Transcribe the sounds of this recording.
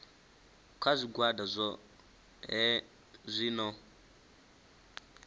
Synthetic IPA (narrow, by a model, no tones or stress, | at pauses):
kʰwazʷiɡwadazʷɔ | ɦɛ | zʷinɔ